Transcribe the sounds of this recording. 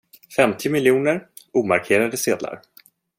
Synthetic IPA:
fɛmt̪ʰɪmɪljuːnəɾ | uːmaɾkʰeːɾad̪əseːd̪la̰ɾ

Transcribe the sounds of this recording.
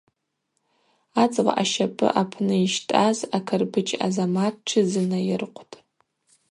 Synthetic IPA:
at͡sʼʁa̰ʔaʃapʼɨ̰ʔapʰnɨiʃtʼazakʰɨrbɨt͡ʃʼa̰zamatʈ͡ʂʰɨzɨnajɪrqʷʰtʼ

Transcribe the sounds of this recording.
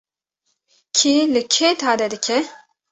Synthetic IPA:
kʰilɨkʰeːt̪ʰaːd̪ɛd̪ɨkʰɛ

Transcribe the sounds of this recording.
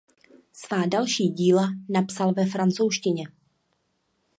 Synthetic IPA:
svaːdalʃiːɟiːlanapsalvɛfɾant͡sowʃcɪɲɛ

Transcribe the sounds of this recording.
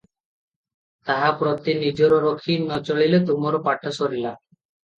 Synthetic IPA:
t̪aɦapɾot̪inid͡ʒɔɾɔɾokʰinɔt͡ʃɔɭilet̪umɔɾɔpaʈʰɔsɔɾila

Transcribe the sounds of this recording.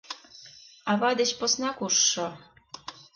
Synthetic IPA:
ɑβɑd̪ĕt͡ɕposnɑkuʃːo

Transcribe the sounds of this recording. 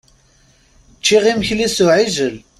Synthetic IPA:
t͡ʃːiʁiməçlisuʕizəl

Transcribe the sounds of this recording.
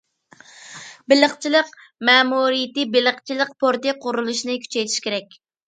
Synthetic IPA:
bɪləχt͡ʃʰilˠəq | mɛːmuɾijɪt̪ɨbɪləχt͡ʃʰilˠəqpʰoɾt̪ɨqʰʊɾulˠuʃnɨkʲʰy̥t͡ʃʰɛjt̪ʰi̥ʃkʲeɾɛk̚ʲ

